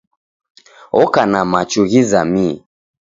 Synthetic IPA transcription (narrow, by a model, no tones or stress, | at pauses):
ɔkanamat͡ʃuɣizami